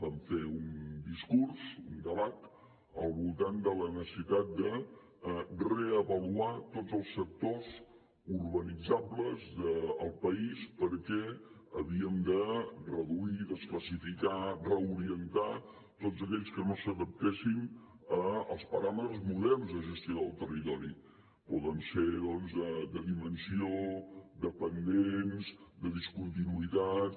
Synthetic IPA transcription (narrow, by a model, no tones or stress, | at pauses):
baɱfeund̪iskuɾzund̪əβat̪ | ə̰lˠβulˠt̪and̪ələnəsəsit̪at̪̚d̪ə | reəəβəluat̪odd͡zəlˠsːək̚t̪oz | uɾβənid͡zabləzðəːlˠpəispəɾkɛəβiəmd̪ərəðuiðəskləsifikarəuɾiənt̪a | t̪ozəkɛʎskənosəðəp̚t̪esin | əəlˠspəɾamət̪ɾəzmuðɛlˠzðəʒəst̪jioðəlˠt̪ərit̪ɔɾḭ | pɔðənseðɔnzðəd̪əðimənsiood̪əpənd̪enzd̪əðiskunt̪inuit̪at̪